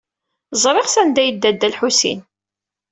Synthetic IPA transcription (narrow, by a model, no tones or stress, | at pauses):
zˤɾˤeʁsænd̪æjəd̪ːæd̪ːælħusḭn